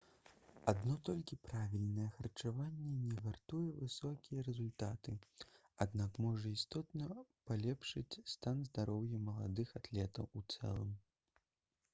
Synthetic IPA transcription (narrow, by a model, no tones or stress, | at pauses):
ad̪nɔt̪ɔlʲkʲipɾavʲilʲnɐjɛxɐrt͡ʂavanʲːɛnʲɛɣart̪ujɛvɨsɔkʲijɛɾɛzulʲt̪at̪ɨ | ad̪nakmɔʐɐist̪ɔt̪nɐpalʲɛpʂɨt͡sʲst̪anzd̪aɾɔwjɐmɐlˠa̰d̪ɨxat̪lʲɛt̪ɐwut̪sɛ̰lˠɨ̰m